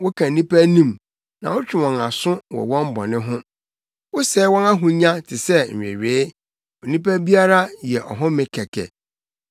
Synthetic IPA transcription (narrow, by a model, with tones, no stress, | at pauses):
wʊ˦kʰã˨n̩˨nĩ˦pʰæ˦nĩ˦m | nã̰˨wʊ˦t͡ɕᶣɪ˨wɔ̃˨na˨sʊ̃˦wɔ̰˨wɔ̃˦m˦bɔ̰˨nɪ̃˦ɦʊ̃˦ | wʊ˦sɛː˨˦wɔ̃˦na˦ɦʊ̃˦ɲã˦tʰɪ˨sɛ˦ɲ̩˨ɥᶣḛ˨ɥeː˨˦ | ɔ˨nĩ˦pæ˦bi˦a˦ɾa˦jɛ˨ʔɔ̰˨ɦʊ̃˦mɪ̃˨kʰɛ˨kʰɛ̰˨